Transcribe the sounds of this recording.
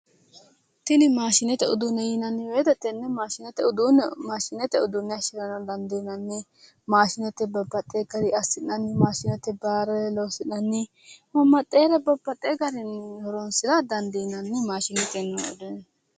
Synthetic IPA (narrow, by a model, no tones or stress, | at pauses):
t̪ɪnɪmaːʃɪnɛt̪ɛʊd̪ʊnːɛjɪnɐnːɪweːt̪ɛt̪ːɛnːɛmaːʃɪnɛt̪ɛʊd̪ʊnmaːʃɪnɛt̪ɛʊd̪ʊnːɛɐʃɪɾɐnɐd̪ɐnd̪inɐnːɪ | maːʃɪnɛt̪ːɛbɐbːɐt̪ʼːeːɡɐɾɪɐsɪnːɐnːɪmaːʃɪnɛt̪ːɛbaːɾɛɛlɔːsɪʔnːɐnːɪ | mɐmːɐt̪ʼːeːɾɛbɐbːɐt̪ʼːeːɡɐɾɪnhɔɾɔnsɪd̪ad̪ɐnd̪inɐnːɪmaːʃɪnɛt̪ɛnːɐʊ̰d̪ʊn